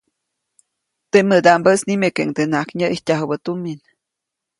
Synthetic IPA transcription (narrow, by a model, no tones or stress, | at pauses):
t̪eʔmɨd̪ambəsnimekeʔŋd̪enaʔkɲəʔihtʲaɦəbət̪umin